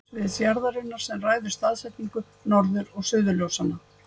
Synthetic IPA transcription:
vɪðsjaɾðaɾʏnːaɾ̥sɛmraːjðʏɾ̥st̪aːðsɛt̪niŋkʏ | nɔɾðʏɾɔɣsʏːðʏljɔwsana

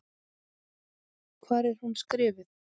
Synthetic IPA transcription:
kʰvaːɾɛɾ̥hunskɾɪːvɪθ

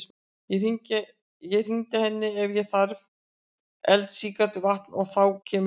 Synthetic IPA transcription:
jɛr̥iɲcɪ | jɛr̥iɲt̪ɪhɛnːɪɛvjɛθaɾv | ɛlt̪siːkat̪ɪvaht̪nɔɣθawcʰɛːm

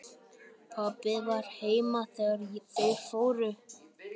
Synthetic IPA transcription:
pʰapɪðvaɾ̥heːjmaθɛɣaɾtejɾfoːwɾʏ

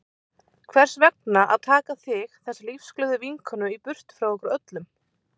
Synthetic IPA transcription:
kʰvɛr̥svɛk̚naʔa̰ðt̪ʰaːkaθɪxθɛsːalifsklœðʏviŋkʰɔnʏipʏr̥t̪fɾawɛkʏɾœt̪lʏm

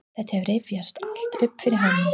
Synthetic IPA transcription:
θɛht̪hɛvɾejvjast̪al̥t̪ʏpːfɪɾɪɾɦanːɪ

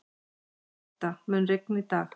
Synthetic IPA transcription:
t̪amɛnɾek̚nit̪aːɣ

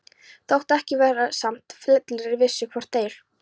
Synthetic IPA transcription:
θawht̪ɛhcɪvɛːɾasam̥t̪flɛt̪lɪɾɪɾvɪsːʏkʰvɔɾ̥t̪ːeːjɾ̥

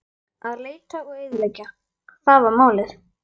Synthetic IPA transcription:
aðleːjt̪aɔɣɪðlɛjcːa | kθaðvaɾmaːwlɪθ

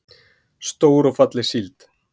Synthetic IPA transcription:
st̪oːwɾɔfat̪lɪsilt̪

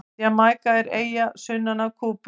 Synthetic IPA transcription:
jamaːjkaɛɾeːjasʏnːanakʰuːp

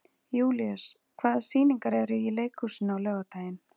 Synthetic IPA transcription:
juːliœs | kʰvaːðasiːniŋkaɾɛɾʏileːjkhusɪnawlœːɣat̪aːjɪn

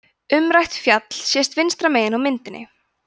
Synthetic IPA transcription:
ʏmɾajht̪fjat̪l̥sjɛst̪vɪnst̪ɾameːjɪnawmɪnt̪ɪnːɪ̰

